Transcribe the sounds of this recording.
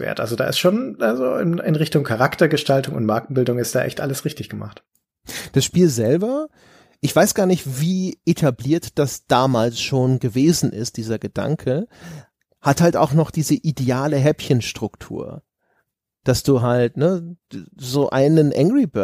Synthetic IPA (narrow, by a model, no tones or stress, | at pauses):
vḛːɐtʔa̰lzoda̰ːʔɪ̰stʃoːnʔazoɪ̰nɪnʁɪçtʊŋkʰaʁaktɐɡəʃtaltʊŋʊ̰ntmaɐk̚n̩bɪldʊŋɪstd̥aːʔɛ̰çtʔa̰ləsʁɪçtɪçɡ̥əma̰χt | d̥asʃpiːlzɛlbɐ | ʔɪçv̥aɪsɡ̥aːɐnɪçtviːʔetʰabliːɐtd̥asd̥aːmaːlsʃoːnɡəveːzn̩ʔɪ̰st̚d̥iːzɐɡəda̰ŋkʰə | hathalta̰ʊxnɔχd̥iːzəʔideaːləɦɛpçənʃtʁ̥ʊktʰṵːɐ | d̥asd̥uːɦaltnə | zoːʔa̰ɪnənʔɛ̰ŋɡʁibø